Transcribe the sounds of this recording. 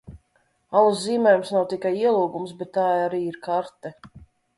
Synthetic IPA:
alˠusziːmɛjumsnawt̪ikajiɛlˠuːɡumsbɛt̪ːaːaɾiːiɾkaɾt̪ɛ

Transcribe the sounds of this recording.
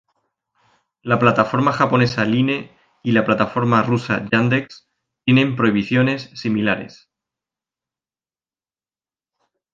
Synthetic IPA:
laplat̪afo̞ɾmaxapo̞ne̞saline̞ | ilaplat̪afo̞ɾmarusa̰ʝand̪eks | t̪je̞nẽ̞mpɾo̞iβ̞iθjo̞ne̞sːimilaɾe̞̰s

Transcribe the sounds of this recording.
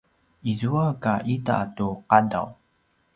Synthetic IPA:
izuakaʔita̰tuqada̰w

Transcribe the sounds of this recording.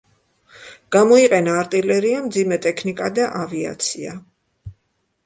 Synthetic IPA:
ɡ̥amɔiqʼɛnaːɾt̪ʼilɛɾiamd̪zimɛt̪ʼɛkʰnikʼad̪aʔavia̰t̪sʰia̰

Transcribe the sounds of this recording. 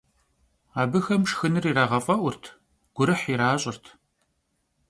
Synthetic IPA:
aːbɨxɐmʂxɨnɨriːraːʁɐfʼɐʔʷʊrtʰ | ɡ̥ʷʊɾɨħiɾaːɕʼɪrtʰ

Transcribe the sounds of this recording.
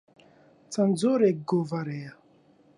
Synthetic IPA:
t͡sand͡zoɾeɡovaɾɛja

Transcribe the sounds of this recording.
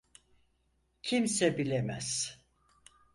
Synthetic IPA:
cʰimsɛbilʲɛmæz̥

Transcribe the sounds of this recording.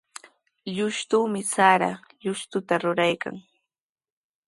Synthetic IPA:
ʎʊʃt̪uːmɪsaɾa̰ʎʊʃt̪ʊt̪aɾʊɾajka̰ŋ

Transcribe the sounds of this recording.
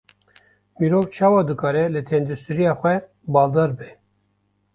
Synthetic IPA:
miːɾovt͡ʃʰɑːwɑːd̪ɨkɑːɾɛlɨt̪ʰɛnd̪ust̪ɨɾijɑːxʷɛ | bɑːld̪ɑːɾbɛ

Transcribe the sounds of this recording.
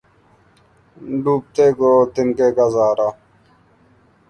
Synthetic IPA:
ɖuːp̚t̪eːkoːt̪ɪnkekɐzaːɾaː

